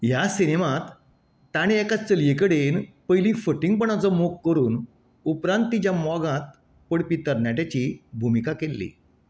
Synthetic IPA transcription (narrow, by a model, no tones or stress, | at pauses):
jasinemãt̪ː | aɽ̃ĩɛkat͡səljekəɽenpəjlĩːfəʈiŋɡ̚pəɳ̃at͡səmokːəɾuːn | upɾãnt̪ːit͡ɕjamɔɡãt̪̚ | pəɽpit̪əɾnjaʈat͡ɕiːbʱumikakelːḭ